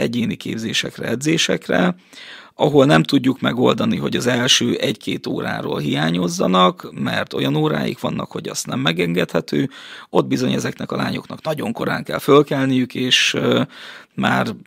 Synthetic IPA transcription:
ɛɟeːnikeːbzeːʃɛkrɛɛd̪zeːʃɛkrɛ | ɒɦo̞lnɛmt̪uɟːukmɛɡo̞ld̪ɒniɦo̞ɟɒzɛlʃøːʔɛɟkʰeːt̪o̰ːɾa̰ːɾo̰ːlɦijaːɲo̞zːɒnɒkmɛrt̪o̞̰jɒnoːɾa̰ːjḭkʋɒnːɒkho̞ɟɒst̪nɛmːɛɡɛŋɡɛt̪hɛt̪øːo̞d̪̚bizo̞ɲɛzɛknɛkɒlaːɲo̞knɒknɒɟo̞ŋko̞ɾa̰ːŋkɛlfølkɛlnijykeːʃ | maːr

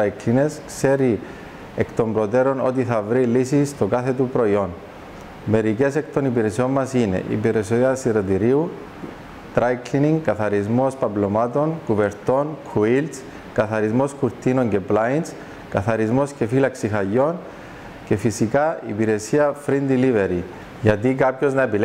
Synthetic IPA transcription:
kline̞skse̞ɾi | ekt̪o̞mbɾo̞t̪e̞ɾo̞no̞̰t̪̬iθɐvɾilisist̪okaθe̞t̪upɾo̞io̞n | me̞ɾice̞se̞kt̪o̞nipiɾe̞sio̞mːɐsine̞̰ʔḭpiɾesioɐsiɾot̪iɾiu | t̪ɾajkliniŋkɐθɐɾizmo̞spɐblo̞mat̪o̞nkuve̞ɾt̪o̞nkʰuilt̪s | kɐθɐɾizmo̞skuɾt̪ino̞ŋɟe̞plains | kɐθɐɾizmo̞sce̞filɐksixɐjːo̞n | ce̞fisikaipiɾe̞siɐfɾind̪ilive̞ɾi | ʝɐt̪ikapço̞znɐepil

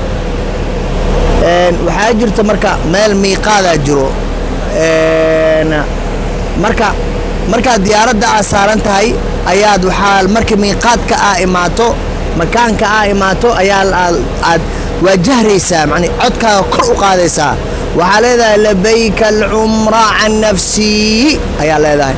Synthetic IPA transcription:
ʔɛːnwɑħɑːt͡ʃɪrt̪ʰɔmɐrkʰɐ | mɛːlmiːqɑːðaːt͡ʃɪɾɔ | ɛːn | mɐrkʰɐ | mɐrkʰaːd̪ɪjaːɾɐd̪ɐaːsaːɾɐnt̪ʰɐɦɛj | ʔɐjaːd̪wɑħɑlmɐrkʰɐmiːqɑːd̪kʰɐʔaːɪmaːt̪ʰɔ | mɐkʰaːŋkʰɐaːɪmaːt̪ʰɔʔɐjaː | aːd̪ | wɑːt͡ʃɐhɾɛjsaːmɑʕnɪʕɔd̪kʰaːɣɐkʰɔrʊqɑːðɛjsa̰ː | wɑħɑːlɛːðɐhɛjlɐbɛjkʰɐlʕʊmɾɑʕɑnːɐfsɪ | ʔɐjaːlɛːðɐɦɛj

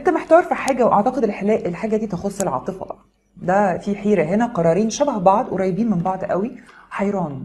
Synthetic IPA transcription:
ʔʔent̪æmeħt̪æwɾfɑħaːɡæwʔɑʕt̪ɑqed̪elħelæːʔelħaːɡæd̪iːt̪exosˤːelʕɑ̰ːt̪ˤefɑ̰bʔ | d̪æfiħiːɾæɦenæqɑɾˤɑːɾiːnʃæbæhbɑʕd̪weɾˤɑjbiːnmembɑʕd̪ʔæ̰wiħɑjɾˤɑːn

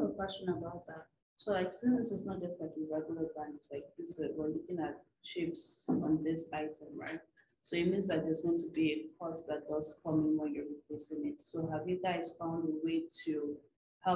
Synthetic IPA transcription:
əkw̥ɛsə̃nəbaʊt̪̚ðat̚ | solaɪksɪ̃nsɪsɪsnɔt̚d̥d͡ʒ̥ʌstlaɪkjəvaɡələdãnɪtslaɪk̚ðɪswəlʊkɪ̃ŋat̚ | t͡ʃɪpsɔ̃nðɪsaɪtʰə̃mɹa̰ɪt̚ | soit̚mĩnzlaɪk̚ðɛzɡoʊɪ̃ŋtʰubiəkʰɔsðat̚d̥ʌz̥kʰʌmɪ̃ŋwɛ̃njəɹipʰl̥esɪ̃ŋɪtsoɦavjɨɡaɪz̥fãʊ̃ndðəweɪtʰu | ha

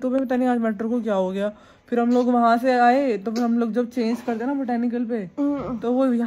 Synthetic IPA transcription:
t̪obɛibɐt̪aːniaːd͡ʒmɛːʈəɾkok̬jaːɦoɡɐjaː | fɪɾɦɐmloːɡʋɐɦãseaːet̪ofɪɾɦɐmloːɡ̚d͡ʒɐb̚t͡ʃẽːɲd͡ʒkɐɾt̪eɦɛnabɪʈɛːnɪk̬əlpet̪oʋojɐ

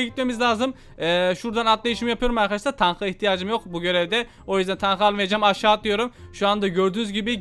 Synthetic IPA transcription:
ɟit̪memizlʲaːzɯm | ɛːʃuɾd̪anat̪lˠejiʃimijapʰɯjo̞ɾumaɾkʰad̪aʃlaɾt̪ʰanxɯiçt̪ʰijaːd͡ʒɯmjo̞kbuɟø̞ɾɛvd̪ɛ | o̞jyzd̪ænt̪ʰanxalˠɯmvejed͡ʒamaʃaːt̪lˠɯjo̞ɾumʃuand̪aɟøɾd̪yːnyzɟibi

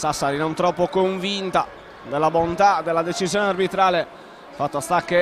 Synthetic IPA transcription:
sasaɾinɔ̃nt̪ɾɔpːokoɱvint̪a | d̪elːabont̪ad̪elːad̪et͡ʃizjɔːnearbit̪ɾaːle | fat̪ːast̪akːe

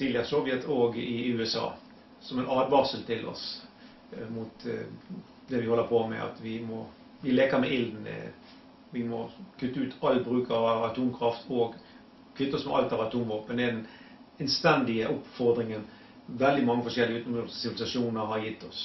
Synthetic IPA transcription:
siːljɑsɔʋjɛt̪ʰoːɡɪʉːɛsɑ̰ː | sɔmɛnɑːd̪ʋɑʁsəlt̪ʰɪlɔ̰s | mut̪ | d̪ɛʋɪhɔlːəɾpʰɔmɛ̰ʔɑ̰t̪ʋɪmɔ | ʋɪleːkəɾmɛʔɪld̪n̩̰ | ʋɪmɔkʰʉt̪ːʉːt̪ʰɑlːəbɾʉːkʰəɾɑʋɑt̪ʰuːmkʰɾɑft̪ʰɔːɡ | kʰʉt̪ːəɔsmɛ̰ʔɑ̰lt̪ɑʋɑt̪ʰuːmʋoːpənɛd̪ɛn | ɛnst̪ɛnd̪ɪəʔʊpfɔɾd̪ɾɪŋən | ʋɛld̪ɪmɑŋːəfɔʂɛlːɪəʉːt̪ɔmɡəssɪʋɪlɪsɑʂuːnəɾɦɑɾjɪt̪ːɔs

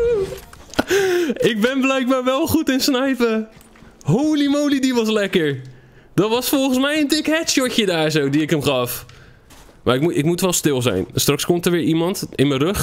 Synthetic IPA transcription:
ɪk̚bɪnblɛjk̚baːɹʋɛlˠχutɪnsnɛjpə | ɦoːlimoːlidiʋɔs̬lɛkəɹ | d̥ɔtʋɔsfolˠχən̩smɛjəndɪkhɛtsjocjədaːɹzowdiɪkəmχɑf | maɪkmuɪkmutʋɛlˠstɪlˠzɛ̰jnstrakskomtəɹʋɪːɹimɑntɪnmərøx

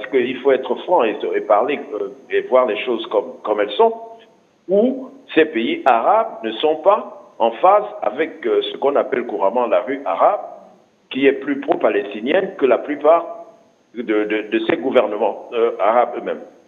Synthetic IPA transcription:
pasə̥kəilfoɛt̪χəfχɑ̃esepaʁleevwaʁlɛʃozkɔmkɔmɛlsɔ̃ | usɛpeiʔaʁabnəsɔ̃paɑ̃faza̰vɛksəkɔ̃napɛlkuʁaʁmɑ̃laʁyʔa̰ʁab̚ | kʲiɛplypχopalɛst̪injɛnkəlaplypaʁ | d̪əd̪əd̪əsɛɡuvɛʁnəmɑ̃øaʁabømɛ̰m

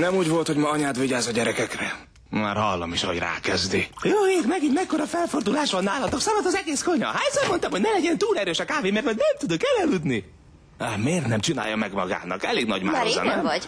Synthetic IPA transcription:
nɛmuːɟvo̞lt̪ho̞ɟmɒɒɲaːt̪ʋiɟaːzɒɟɛɾɛkɛkrɛ | ma̰ːɾɦɒ̰lːɒ̰miʃɦoɟra̰ːkɛzd̪ijoːeːtmɛɡiɲmɛkːo̞ɾɒfɛlfo̞rd̪ulaːʃʋɒnːaːlɒt̪oksamot̪ɒzɛɡeːsko̞ɲɒ̰ɦajsɛɾmo̞nt̪ɒmhoɟnɛlɛɟɛnt̪uːlɛɾøːʃɒkaːveːmɛrt̪ʋɒɟnɛmt̪ud̪okɛlɛlud̪ni | ameːrt̪nɛmt͡ʃina̰ːjːɒmɛɡmɒɡa̰ːnɒ̰kɛ̰leːɡnɒɟma̰ːnɛmɟ

